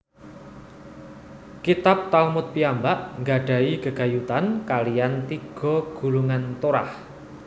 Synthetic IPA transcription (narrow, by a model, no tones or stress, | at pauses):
kit̪ap̚t̪almʊt̪̚piambaʔŋɡaɖ̥a̤iɡəɡ̥a̤jut̪ankalijant̪iɡ̥ɔ̤ɡ̥ṳluŋant̪oɾa̰h